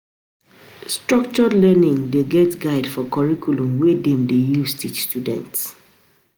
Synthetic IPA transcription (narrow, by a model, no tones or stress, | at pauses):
stɹɔk̚t͡ʃɔlɛnĩŋdeɡɛtɡaɪdfɔkɔɹikʰulũmwedɛ̃mdejustʰit͡ʃstjudɛ̰̃nts